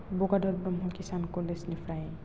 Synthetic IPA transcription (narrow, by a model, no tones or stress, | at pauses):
boɡaɖɔɾbɾɔmɦɔkisankɔlesnifʰɾaj